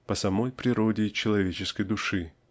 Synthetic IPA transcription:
pəsɐmo̞jpɾʲɪɾodʲɪt͡ɕɪlˠɐvʲet͡ɕɪskəjd̪ʊʂɨ

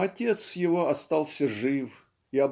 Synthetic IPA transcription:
ɐtʲe̞t̪sjɪvo̞ɐst̪alˠsʲəʐɨf | iɐb

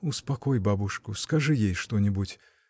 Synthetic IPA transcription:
ʊspɐkɔjbabuʂkʊskɐʐɨjejʂt̪ɔnʲɪbutʲ

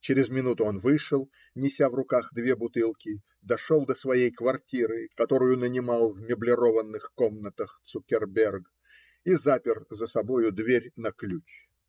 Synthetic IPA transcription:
t͡ɕɪɾʲɪzmʲɪnut̪ʊo̞nvɨʂəlˠ | nʲɪsʲavrʊkaxd̪vʲe̞bʊt̪ɨlˠkʲɪ | d̪ɐʂolˠd̪əsvɐjejkvɐrtʲiɾɨkɐt̪o̞ɾʊjʊnənʲɪmalˠvmʲɪblʲɪɾo̞vənːɨxkomnət̪əxt̪sʊkʲɪrbʲerɡ | izapʲɪrzəsɐbo̞jʊd̪vʲeɾʲnɐklʲut͡ɕ

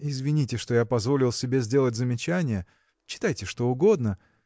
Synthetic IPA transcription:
ɪzvʲɪnʲitʲɪʂt̪o̞japɐzvo̞lʲɪlˠsʲɪbʲe̞zʲdʲe̞lˠət̚ʲzəmʲɪt͡ɕænʲɪjə | t͡ɕːɪ̥t̪ajtʲɪʂt̪o̞ʊɡo̞d̪nə

